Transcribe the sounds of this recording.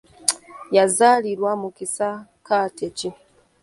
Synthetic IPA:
jazaliɾwamukisakaːtʰeci

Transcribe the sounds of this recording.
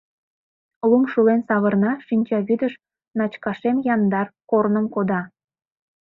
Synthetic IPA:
lumʃulensɑβərnɑʃinʲt͡ɕɑβyd̪əʃ | nɑt͡ɕkɑʃemjɑnd̪ɑrkornəmkod̪ɑ

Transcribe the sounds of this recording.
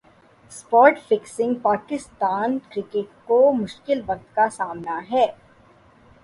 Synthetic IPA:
spɔːɾʈfɪksɪ̃ŋɡ̚paːkɪst̪aːnkɾɪkeʈkomʊʃkɪlʋɐk̚t̪kasaːmnaɦɛː

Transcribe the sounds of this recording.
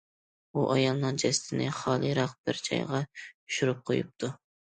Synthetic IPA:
uʔɑjɑlˠnɨŋd͡ʒɛsɪ̥t̪ʰɪnɪχɑːlˠɨɾɑq̚bɪɾd͡ʒʰɑ̰jʁɑy̥ʃyɾyp̚qʰojup̚t̪ʰu

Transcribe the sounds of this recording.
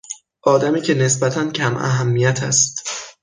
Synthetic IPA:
ʔɒːd̪æmiːcʰe̞ne̞sbæt̪ʰæncʰæmʔæ̰ɦæmːijæt̪ʰæst̪

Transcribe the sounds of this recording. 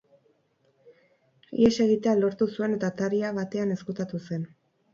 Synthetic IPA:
ḭese̞ɣit̪e̞alo̞ɾt̪usue̞net̪at̪aɾiaβat̪e̞ane̞skut̪at̪use̞n

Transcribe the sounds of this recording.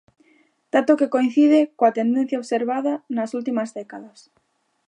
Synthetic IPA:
d̪̥at̪okekoin̟θið̞ekoat̪e̞nd̪en̟θjaoβseɾβaðanasult̪imazðekaðas

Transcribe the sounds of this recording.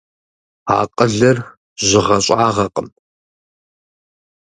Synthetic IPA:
a̰ːqʼəɮɐr | ʑɪʁɐɕʼaːʁɐqʼəm

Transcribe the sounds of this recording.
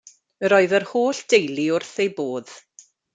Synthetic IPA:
əɾɔɨðərhoːɬd̥ejliʊrθejboːð̥

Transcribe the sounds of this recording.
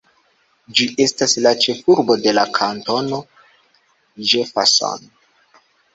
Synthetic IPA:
d͡ʒiʔe̞staslat͡ʃe̞fuɾbo̞de̞lakʰanto̞no̞ | d͡ʒe̞fa̰so̰n

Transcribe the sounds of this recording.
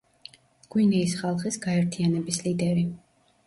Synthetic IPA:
ɡ̥winɛisχalˠχisɡaɛɾt̪ʰianɛbislid̪ɛɾi

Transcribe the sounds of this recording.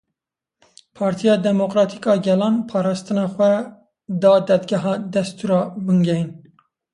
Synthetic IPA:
pʰɑːɾt̪ʰijɑːd̪ɛmokɾɑːt̪ʰikɑːɡɛlɑːnpʰɑːɾɑːst̪ɨnɑːxʷɛ | d̪ɑːd̪ɛd̪ɡɛɦɑːd̪ɛst̪uːɾɑːbɨŋɡɛjin

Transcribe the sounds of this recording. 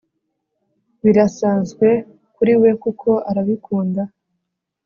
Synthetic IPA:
βiɾasaːnzɡwe̞ | kuɾiwe̞kukʰo̞ʔaɾaβikuːnda

